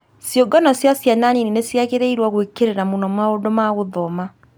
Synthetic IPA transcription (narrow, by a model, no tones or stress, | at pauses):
sjoɡɔnɔsjasjananininesjaɣeɾeiɾwaɣwekeɾeɾamonɔmaondomaɣoðɔma